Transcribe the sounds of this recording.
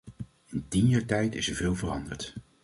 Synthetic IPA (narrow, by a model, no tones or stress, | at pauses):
ɪntinjaːɹtɛjtɪsəɹvɪːlˠvərɑ̰ndə̰ɹt